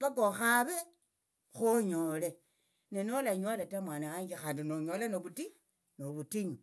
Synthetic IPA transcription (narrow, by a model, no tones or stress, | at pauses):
βakoxaβe | xoɲole | nenolaɲolatamwaːnaaɲd͡ʒixaːndinoɲolanoβuti | noβutiɲu